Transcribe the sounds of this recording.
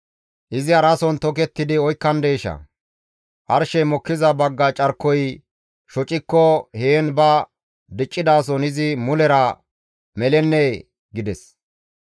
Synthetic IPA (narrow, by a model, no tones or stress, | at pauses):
ʔɪzɪɐɾɐsɔnt̪ɔk̬ɛt̪ːɪd̪ɪɔjkːɐnd̪eːʃɐ̰ | ʔɐɾʃɛjmɔkːɪzɐbɐɡːɐt͡ʃʼɐɾkːɔj | ʃɔt͡ʃʼɪkːɔheːnbɐ | d̪ɪt͡ʃʼːɪd̪aːs̬ɔnɪzɪmʊlɛɾɐ | mɛlɛnːe | ɡɪd̪ɛs